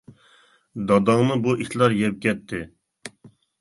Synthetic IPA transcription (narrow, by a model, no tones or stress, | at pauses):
d̪ɑd̪ɑŋnɨbuʔit̪lˠɑɾjɛp̚kʲʰɛt̪̚ʰːɪ